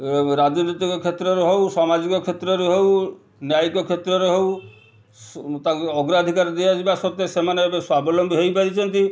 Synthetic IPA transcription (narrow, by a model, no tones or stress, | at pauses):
ɾad͡ʒnit̪ikɔkʰet̪ɾɔɾeɦewsɔmad͡ʒikɔkʰet̪ɾɔɾeɦew | njajkɔkʰet̪ɾɔɾeɦew | t̪aɔɡɾad̪ʱikaɾd̪ead͡ʒibasɔt̪ːesemanebswabʱɔlɔmbʱɦejpad̪it͡ʃʰɔnt̪i